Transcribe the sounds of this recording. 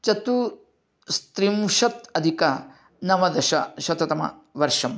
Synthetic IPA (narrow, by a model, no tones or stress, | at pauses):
t͡ʃɐt̪u | st̪ɾimʃɐt̪ɐd̪ʱikɐ | nɐʋɐd̪ɐʃɐ̰ʃɐt̪ɐt̪ɐmɐ̰ | ʋɐɾʂɐm